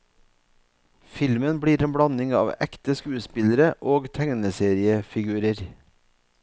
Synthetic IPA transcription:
fɪlmənbɽiːɾeːmbɽɑnɪŋɑ̰ːʋɛ̰kt̪əskʉːəspɪləɾəʔoːɡt̪ʰæŋnəseːɾɪəfɪɡʉːɾəɾ

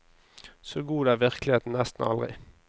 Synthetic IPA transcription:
soːɡuːd̪əæːʋɪʁklɪheːt̪n̩nɛst̪n̩ɑ̰lʁɪ̰

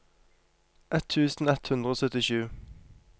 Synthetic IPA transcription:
ʔɛt̪ʰʉːsn̩ɛt̪hʉnd̪ʁəoːsœt̪ɪʃʉː

